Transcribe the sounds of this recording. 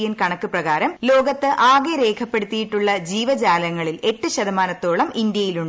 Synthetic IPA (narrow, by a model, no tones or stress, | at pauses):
jɐnkɐɳɐkːɨprɐɣaːɾɐmlo̞ːɡɐt̪ːɨʔaːɡeɾe̞ːkʰɐpːe̞ɽut̪ːijiʈːuɭːɐd͡ʑiːʋɐd͡ʑaːlɐŋːɐɭile̞ʈːɨɕɐd̪ɐmaːnɐt̪ːo̞ːɭɐmind̪jɐjiluɳɖɨ